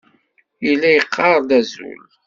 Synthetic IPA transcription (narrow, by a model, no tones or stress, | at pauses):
ilːæjəqʰːɑɾˤd̪æzṵl